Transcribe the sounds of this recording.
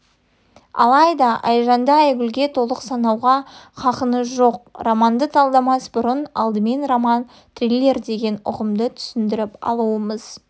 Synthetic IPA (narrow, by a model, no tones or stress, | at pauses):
ɑ̰lˠɑjd̪ɑʔɑ̰jʒɑnd̪ɑæjɡʲʏlɡʲe̞t̪ʰo̞lˠəqsɑnɑwʁɑqʰɑqənəsʒo̞q̚romɑnd̪ət̪ʰɑlˠd̪ɑmɑsbʊɾənɑ̰lˠd̪əme̞nromɑn | t̪rilʲːe̞ɾd̪e̞ɡʲe̞nʊ̰ʁəmd̪ət̪ʰʏ̥sɪnd̪ɪɾɪpɑ̰lˠuəməz̥